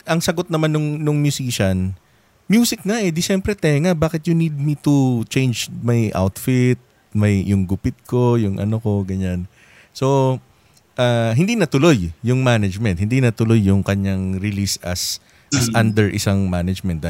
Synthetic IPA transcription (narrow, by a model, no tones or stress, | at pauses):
ʔɐŋsɐɡo̞t̪̚nɐmanːʊŋnʊŋmjʊsiːʃɐn | mjuːsɪk̚naʔɛd̪ɪʃɛmpɾɛt̪ɛŋabaːkɪt̪̚jʊnid̪̚mit̪ut͡ʃɛjnd͡ʒmɐjʔa̰wt̪fɪt̪̚ | mɐjjʊŋɡʊpɪt̪̚ko̞jʊŋʔɐ̰noko̞ɡɐɲan | so̞ | ʔaːɦɪnd̪inɐt̪ʊlo̞jːʊŋmaːnɐd͡ʒmɛnt̪̚hɪnd̪inɐt̪ʊlo̞jːʊŋkɐɲaŋɾɪlisɐ̰s | ʔɐsʔand̪ɛɹʔɪsaŋmaːnɐd͡ʒmɛnt̪̚d̪ɐ